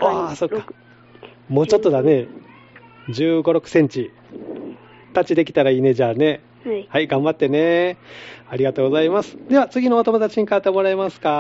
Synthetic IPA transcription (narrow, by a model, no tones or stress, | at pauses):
aːso̞kːḁ | mo̞ːt͡ɕo̞t̪ːo̞d̪ane̞ | d͡ʑɨːɡo̞ɾo̞kɯ̟̥sẽ̞ɲ̟t͡ɕi | t̪at͡ɕid̪e̞kʲi̥t̪aɾaiːne̞d͡ʑaːne̞ | haiɡãmbat̪ːe̞ne̞ | aɾʲiɡat̪o̞ːɡo̞zaimasɨ̥d̪e̞βat͡sɨɡʲino̞ːt̪o̞mo̞d̪at͡ɕiɲ̟ikat̪ːemo̞ɾaemasɨ̥ka